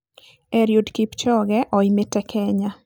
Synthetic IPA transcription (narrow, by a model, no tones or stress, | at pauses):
ɛɾjodkipt͡ʃɔɡɛʔɔimetɛkʰɛɲa